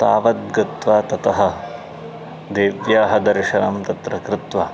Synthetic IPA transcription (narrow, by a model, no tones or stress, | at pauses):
t̪aːʋɐt̪̚ɡɐt̪ʋaːt̪ɐt̪ɐɦɐ̆ | d̪eːʋjaːɦɐd̪ɐɾʃɐnɐmt̪ɐt̪ɾɐkɾɪt̪ʋa